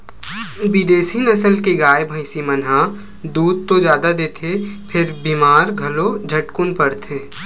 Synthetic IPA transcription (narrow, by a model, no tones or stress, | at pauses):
ʋɪd̪eːsinɐsəlkeɡaːjbʱə̃ɪsimənɦã | d̪uːd̪̚t̪od͡ʒjaːd̪ad̪eːt̪ʰepʰɪɾbiːmaːɾɡʱɐlod͡ʒʱɐʈkʊnpɐɽt̪ʰeː